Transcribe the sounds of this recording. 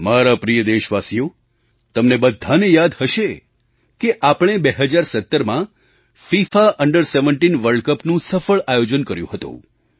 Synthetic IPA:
maɾapɾijəd̪eʃʋasijo | t̪əmnebəd̪ʱːanejad̪həʃe | keʔapɳ̃ebeɦəd͡ʒaɾsət̪ːəɾmã | fifaʔəɳɖəɾseʋəɳʈinʋəɾɖkəpnũsəfəɭajod͡ʒənkəɾjṵ̃ɦət̪ṵ̃

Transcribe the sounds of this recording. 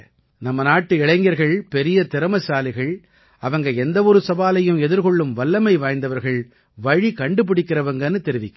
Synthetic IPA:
nɐmːɐnaːʈːɯɪɭɐɪŋɡɐɾɣɐɭpɛɾɪjɐt̪ɪɾɐmɐsaːlɪɣɐɭ | ɐʋɐŋɡɐɛnd̪ɐʋɔɾɯsɐbaːlɐjɯmɛðɪɾkɔɭːɯmʋɐlːɐmɐɪʋaːjnd̪ɐʋɐɾɣɐɭ | ʋɐɻikɐɳɖɯp̬ɪɽɪkːɪrɐʋɐŋɡɐnːɯt̪ɛɾɪʋɪkːɯ

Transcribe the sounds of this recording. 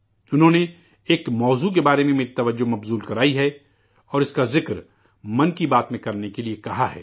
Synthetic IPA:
ʊnɦõne | eːkmɔːzuk̬ebaːɾemẽmeːɾit̪ɐʋəd͡ʒːomɐbzuːlkɐɾaːiɦɛ | ɔːɾɪskazɪkɾ | mɐnkibaːt̪mẽkɐɾnekeliekɐɦaɦɛ̰ː

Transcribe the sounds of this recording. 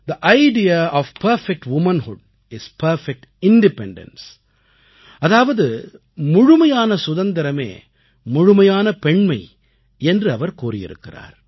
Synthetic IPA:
d̪iʔɐɪɖijɐɔːʋpɐɾfɛk̚ʈʋʊmɐ̃nhʊɖ | ɪspɐɾfɛk̚ʈ | ɪnɖɪpɛɳɖɛ̰̃ns | ɐðaːʋɐðɯ | mʊɻʊmɐjaːnɐsʊðɐnd̪ɪɾɐmḛː | mʊɻʊmɐjaːnɐpɛɳmɐɪ | ɛndrɯɐʋɐɾkuːrɪjɪ̰ɾɯ̰kːɪra̰ːɾ

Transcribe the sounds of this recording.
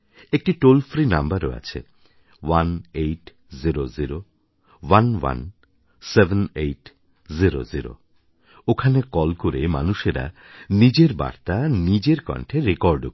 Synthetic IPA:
ek̚ʈiʈolfɾinambaɾo̰a̰t͡ɕʰḛ | wanejʈ | ziɾoziɾo | wanwa̰n | sebenejʈ | ziɾo̰ziɾo̰ | okʰanekɔlkoɾema̰nuʃeɾa̰ | nid͡ʑeɾba̰ɾt̪anid͡ʑeɾkɔ̰ɳʈʰeɾːekɔɾɖo

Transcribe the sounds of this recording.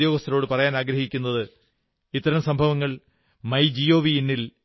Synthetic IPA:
jo̞ːɡɐst̪ʰɐɾo̞ːɽɨpɐrɐjaːnaːɡɾɐɦikʲːunːɐðɨ | it̪ːɐɾɐmsɐmbʱɐʋɐŋːɐɭ | mɐjd͡ʑio̞ːʋiinːil

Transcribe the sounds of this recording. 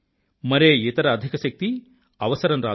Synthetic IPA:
mɐɾeːet̪ɐɾɐːd̪ʱjɐkʰɐʃɐk̚t̪i | ɐʋɐsɐɾɐnɾa̰ː

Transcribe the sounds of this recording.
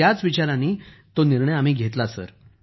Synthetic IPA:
jat͡sʋit͡ɕaɾãniːt̪oniɾɳəjam̤iːɡʱet̪lasə̰ɾ

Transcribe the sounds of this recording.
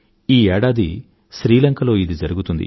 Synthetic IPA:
iːɛːɽaːd̪i | ʃɾiːlɐŋkɐlo̞ːid̪id͡ʒɐɾuɡut̪und̪ḭ

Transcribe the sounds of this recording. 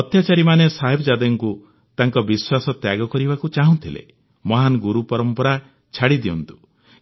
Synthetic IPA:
ɔt̪jat͡ʃaɾimanesaɦebɔd͡ʒad̪ɔŋku | t̪aŋkɔbiswasɔt̪jaɡɔkɔɾibakut͡ʃaɦũt̪ʰilḛ | mɔɦanɔɡuɾupɔɾɔmpɔɾa | t͡ʃʰaɽid̪iɔ̰nt̪u̥

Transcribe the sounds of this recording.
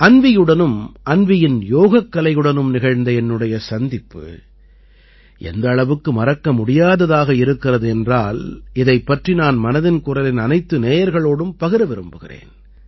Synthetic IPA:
ʔɐnʋɪjɯɽɐnɯmʔɐnʋɪjɪnjoːɣɐkːɐlɐɪjɯɽɐnɯmnɪɣɐɻnd̪ɐɛnːɯɽɐjɐsɐnd̪ɪpːɯ̰ | ʔɛ̰nd̪ɐːɭɐʋɯkːɯmɐrɐkːɐmʊɽɪjaːðɐðaːɣɐɪɾɯkːɪrɐðɯɛndraːlɪðɐɪpːɐʈrinaːnmɐnɐðɪnkʊrɐlɪnɐnɐɪt̪ːɯneːjɐɾɣɐɭoːɽɯmpɐɣɪɾɯʋɪɾɯmbɯɣɪ̰rḛːn

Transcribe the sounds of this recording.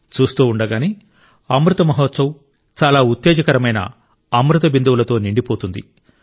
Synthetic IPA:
t͡ʃuːst̪uːuɳɖɐɡaːni | ɐmɾut̪ɐmɐɦoːt̪sɐw | t͡ʃaːlaːut̪ːjɛːd͡ʒɐkɐɾɐmɐjnɐ̰ | ɐmɾut̪ɐbind̪uwulɐt̪o̞ːniɳɖipo̞ːt̪und̪i

